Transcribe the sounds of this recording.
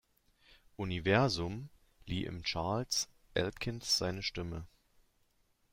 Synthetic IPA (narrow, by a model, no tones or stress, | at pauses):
ʔunivɛɐzʊm | liːʔɪ̰mt͡ʃaɐls | ʔɛ̰lkʰɪnsz̥aɪnəʃtɪmə